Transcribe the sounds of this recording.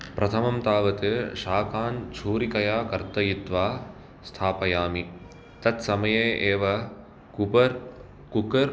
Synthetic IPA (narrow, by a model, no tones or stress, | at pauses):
pɾʔɐt̪ʰɐmɐmt̪aːʋɐt̪eʃaːkʰaːnt͡ʃʰuːɾikɐjaːkɐɾt̪ɐjit̪ʋaː | st̪ʰaːpɐjaːmi | t̪ɐt̪sɐmɐjeːʔeːʋɐ | kupɐɾ | kukɐɾ